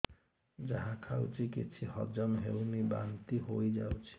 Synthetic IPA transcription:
d͡ʒaɦãkʰawt͡ʃʰikit͡ʃʰihʌ̰d͡ʒɔnɦewniba̰nt̪iɦojd͡ʒawt͡ʃʰi̥

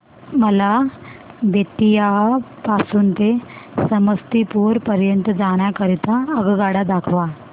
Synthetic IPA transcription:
məla | beʈːijapasuːnt̪esəməst̪ipuɾpəɾjənt̪əd͡zaɽ̃jakəɾit̪aəɡɡaɽad̪akʰʋa

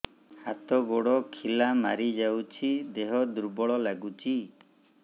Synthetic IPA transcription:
hat̪ɔɡɔɽɔkʰilamaɾid͡ʒawt͡ʃʰid̪eɦɔd̪uɾbɔɭɔlaɡut͡ʃʰi

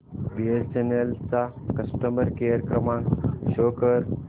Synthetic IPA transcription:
biest͡ɕenelt͡sa | kəsʈəmbəɾkejəɾkɾəmaɳɕoːkəɾ

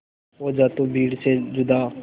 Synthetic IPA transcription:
oːd͡ʒaːt̪õːbiːɽseːd͡ʒʊd̪aː

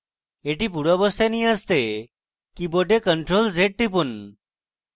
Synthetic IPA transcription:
eʈiːpuɽɔbɔst̪enijəst̪e | kiboɖekəɳʈɾold͡zeʈ̚ʈip̬un

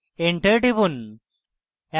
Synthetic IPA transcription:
eɳʈeʈipun | a

